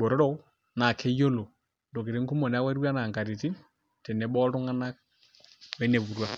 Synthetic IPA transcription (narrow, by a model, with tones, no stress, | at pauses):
bɔ˨ɾɔ˦ɾɔ˦ | na˨kʰe˦jo˦lo˨ | ndo˨ki˨ɾe˦ŋku˦mɔ˨nɛ˨a˦wa˦ɾwa˦na˨ŋɡa˨ɾi˨ti˦ | tɛ˨nɛ˨˦ɓɔ˦tʊ˦ŋa˦na˦k̚ | wɛ˨˦ne˨βu˨ɾwa˦